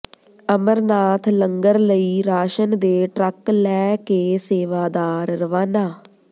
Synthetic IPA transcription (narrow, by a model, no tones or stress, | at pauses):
əməɾnaːt̪ʰləŋɡəɾləiːɾaːʃənd̪eːʈɾəklɛːkeːseːʋaːd̪aːɾːəʋaːnaː